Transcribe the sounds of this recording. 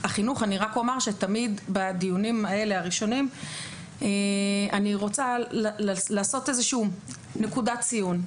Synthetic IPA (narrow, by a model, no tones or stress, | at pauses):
aχinuχaniʁakomaʁʃet̪amid̪bad̪ijunimae̞le̞aʁiʃo̞nim | eaniʁo̞t͡sallalaːso̞te̞zeʃuː | ne̞kudat͡sijun